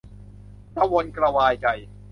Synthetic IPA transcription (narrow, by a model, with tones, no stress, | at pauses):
t̪a˧wo˧nkɾa˧waː˧jt͡ɕa˧j